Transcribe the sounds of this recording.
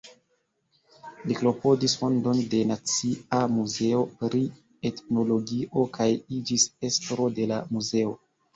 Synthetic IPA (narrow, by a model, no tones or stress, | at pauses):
liklo̞po̞disfo̞ndo̞nde̞nat͡siamuze̞o̞pɾi | e̞tno̞lo̞ɡiʔo̞kajid͡ʒise̞stɾo̞de̞lamuze̞o̞